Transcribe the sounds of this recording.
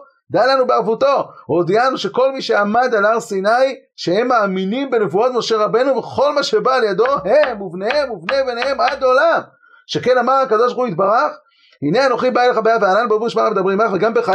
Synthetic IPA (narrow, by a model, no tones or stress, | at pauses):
d̪ajlanubeavuto̞od̪ianuʃe̞ko̞lmiʃe̞amad̪alaʁsinajʃehemːaːminimbene̞vuot̪mo̞ʃe̞ʁabe̞nuveχo̞lmaʃe̞baːljad̪o̞ɦemuvnehemuvnebenehe̞mad̪o̞lam | ʃe̞kenamaʁakad̪o̞ʃbaʁχuit̪̚baʁaχ | hineano̞χibaileχabejavealanubebuiʃmaamed̪abimaveɡambe̞χa